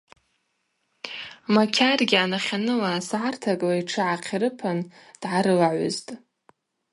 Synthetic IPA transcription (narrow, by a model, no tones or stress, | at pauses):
makʲʰarɡʲɪanaχʲanɨlaːsʕartʰakʼlaiʈ͡ʂʰɨʕaqʲʰɾɨpʰand̥ʕaɾɨlaʕʷʊ̰ztʼ